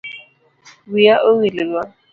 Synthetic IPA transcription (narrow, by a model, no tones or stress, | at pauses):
bijaʔoɣilɪlwa